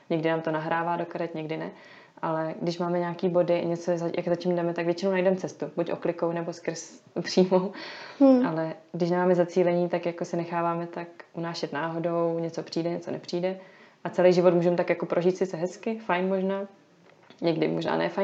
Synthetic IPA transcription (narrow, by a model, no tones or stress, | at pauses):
ɲɛɡdɪnaːmt̪onaɦɾaːvaːdo̞kaɾɛt̪ɲɛɡdɪnɛ | ʔa̰lɛɡdɪʃmaːmɛɲaːkiːbo̞dɪ̰ɲɛt͡sozajʔa̰kzacimdɛmɛt̪akvjɛt͡ʃɪnownajdɛmt͡sɛst̪ubucʔo̰klɪkownɛbo̞skr̩s | pr̥iːmow | alɛɡdɪʃ̬nɛmaːmɛzat͡siːlɛɲiːt̪akjako̞sɪnɛxaːvaːmɛt̪akʔunaːʃɛt̪naːɦo̞do̞wɲɛt͡so̞pr̝̥iːdɛɲɛt͡sonɛpr̥iːdɛʔat͡sɛlɛjʒɪvot̪muːʒɛmt̪akjako̞pɾʔoʒiːt̪sɪt͡sɛɦɛskɪfajnmo̞ʒnaː | ɲɛɡdɪmoʒna̰ːnɛ̰ːfajn